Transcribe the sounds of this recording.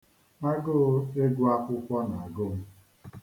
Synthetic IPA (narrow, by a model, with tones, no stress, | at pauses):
ma˦ɡʊ˦˨˦e˦ɡʷʊ˦a˦kʷʊ˦kʷɔ˦na˨a˨ɡo˦m̩˦